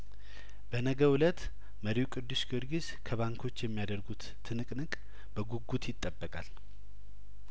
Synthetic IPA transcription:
b̥ənəɡəwulət̪ | məɾiukʼɨd̪ːusɡɨɾɡis | kʰəβaŋkʰo̞t͡ʃːjɛmːijad̪əɾɡut̪ːʰɨnɨkʼnɨkʼ | b̥əɡuɡut̪jɪt̪ʼːəbːəkʼal

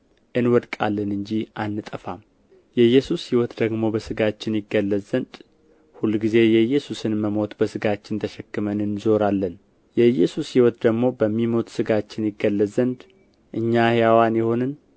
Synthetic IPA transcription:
ʔɨnwɔd̪kʼa̰lːənɨɲd͡ʒiʔanːɨt̪ʼəfam | jɛjɛsushiwɔt̪d̪əɡmo̞bəsɨɡat͡ʃːɪnjɪɡːəlːəzənd̪ | hulːɡize̞jɛjːɛsusɨnməmo̞t̪bəsɨɡat͡ʃːɪnt̪ʰəʃɛkːɨmənɨnzo̞ɾalːən | jɛjːɛsushiwɔt̪d̪əɡmo̞bəmːimo̞t̪ʼsɨɡat͡ʃːɪnjɪɡːəlːəzənd̪ | ʔɨɲːahjawanjɛho̞nɨn

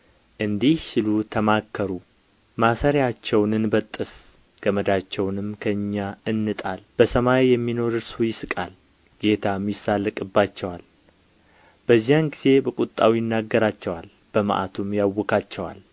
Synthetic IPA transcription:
ʔɨnd̪ihʃɪlut̪ʰəmakʰːəɾu | masaɾjat͡ʃːɛwnɨnbət̪ʼːɨs | ɡ̥əməd̪at͡ʃːɛwnɨmkʰəɨɲːaɨnːɨt̪ʼalb̥əsəmajjɛmːino̞ɾɨɾsujɪsɨkʼal | ɡ̥e̞t̪ʰamːisalːəkʼɨbːat͡ʃːɛwal | b̥əzːijanɡiz̥e̞bəkʼut̪ʼːawijɪnːaɡːəɾat͡ʃːɛwal | b̥əma̰ʔa̰t̪ʰumjawːɔkʰat͡ʃːɛwa̰l

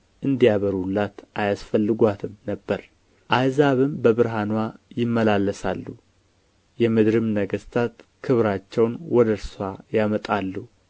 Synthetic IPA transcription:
ʔɨnd̪ijaβəɾlːat̪ʔajasfəlːɨɡʷat̪ʰɨmnəbːəɾ | ʔajzaβɨmbəβɨɾɦanwajɪmːəlalːəsalːu | jɛmɨd̪ɾɨmnəɡəst̪ʰat̪ | kʰɨβɾat͡ʃːɛwnwɔd̪əɾsajamət̪ʼalːu

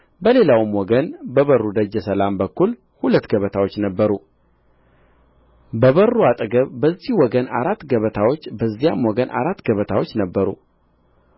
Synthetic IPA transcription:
bəle̞lawɨmwɔɡənbəβərːud̪əd͡ʒːɛsəlambəkːul | hulət̪ːɡəβət̪ʰawo̞t͡ʃːnəbːəɾu | bəβərːuat̪ʼɡəβbəzːihwɔɡəna̰ɾat̪ːɡəβət̪ʰawo̞t͡ʃːbəzːijamwɔɡənʔa̰ɾat̪ːɡəβət̪ʰawo̞t͡ʃːnəbːəɾṵ

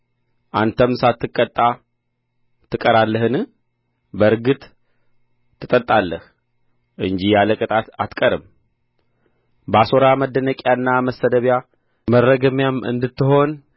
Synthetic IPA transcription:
ʔant̪ʰəmsat̪ːɨkʼːət̪ʼːa | t̪ʰːɨkʼəɾalːəhɨn | bəɾɡɨt̪ʼ | ɨt̪ʼət̪ʼːalːəh | ʔɨnd͡ʒijaləkʼɨt̪ʼat̪at̪kʼəɾɨm | baso̞ɾaməd̪ːənəkʼjaɨnːaməsːəd̪əβja | mərːəɡəmjamɨ̰nd̪ɨt̪ːɨho̞n

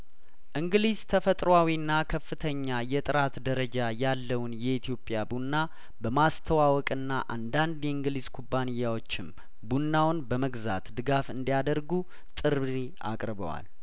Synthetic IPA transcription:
ʔɨŋɡlizt̪ʰəfət̪ʼɾwawiɨnːakʰəfːɨt̪ʰəɲːajɛt̪ʼɨɾat̪d̪əɾəd͡ʒajalːəwnjɛit̪ʰijo̞pʼːjabunːa | bəmast̪ʰəwawɔkʼɨnːaʔand̪and̪jɛɨŋɡlizkʰubːanɪjːawot͡ʃːɪm | bunːawnbəməɡza̰t̪d̪ɨɡafɨnd̪ijad̪əɾɡu | t̪ʼɨɾiʔa̰kʼɾɨβə̰wa̰l

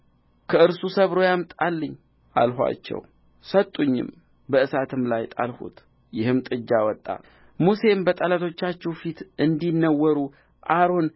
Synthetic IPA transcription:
kʰəɨɾsusəβɾo̞jamt̪ʼalːəɲː | ʔa̰lɦʷa̰t͡ʃːɛ̰w | sət̪ʼːuɲːɪ̰m | bəɨsat̪ʰɨmlajt̪ʼa̰lhṵt̪ | jɪhɨmt̪ʼɨd͡ʒːawɔt̪ʼːa̰ | muse̞mbət̪ʼalat̪ʰo̞t͡ʃːat͡ʃːɛwfit̪ɨnd̪inːəwːəɾu | ʔaɾo̞n

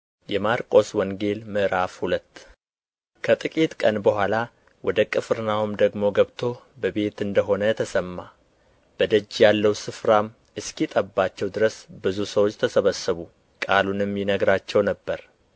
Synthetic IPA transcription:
jɛmaɾkʼo̞swɔŋɡe̞lmɨʔɨɾafhulət̪ː | kʰət̪ʼɨkʼit̪kʼənbəhʷala | wɔd̪əkʼɨfɨɾnawumd̪əɡmo̞ɡəβt̪ʰo̞ | bəbe̞t̪ɨnd̪əɦo̞nət̪ʰəsəmːa | b̥əd̪əd͡ʒːjalːəwsɨfɾam | ɨskit̪ʼəbːat͡ʃːɛwd̪ɨɾəsbɨzusəwot͡ʃːt̪ʰəsəβəsːəβu | kʼalunɨmjɪnəɡɾat͡ʃːɛwnəbːəɾ

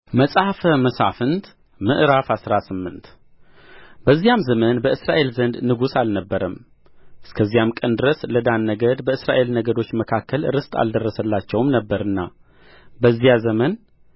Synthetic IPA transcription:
məsʼhafəməsa̰fɨnt̪ | mɨʔɾafasɾasɨmːɨnt̪ | bəzːijamzəmənbəɨsɾa̰ʔe̞lzənd̪nɨɡusalnəbːəɾəm | ʔɨskʰəzːijamkʼənd̪ɨɾəsləd̪anːəɡəd̪bəɨsɾa̰ʔe̞lnəɡəd̪o̞t͡ʃːməkʰakːəlɾɨst̪ʼa̰ld̪ərːəsəlːat͡ʃːɛwmnəbːəɾɨnːa̰ | bəzːijazəmən

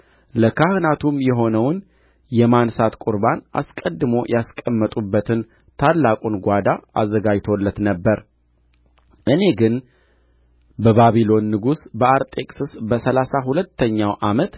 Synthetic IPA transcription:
ləkʰahɨnat̪ʰumjɛɦo̞nəwn | jɛmansat̪kʼuɾbanʔa̰skʼəd̪ːɨmo̞jaskʼəmːət̪ʼubːət̪ʰɨn | t̪ʰalːakʼunɡʷad̪aʔa̰zːəɡad͡ʒt̪ʰo̞lːət̪nəbːəɾ | ʔɨne̞ɡɨn | bəβaβilo̞nːɨɡusbəaɾt̪ʼe̞kʼsɨsbəsəlasaɦulət̪ːəɲːawʔamət̪

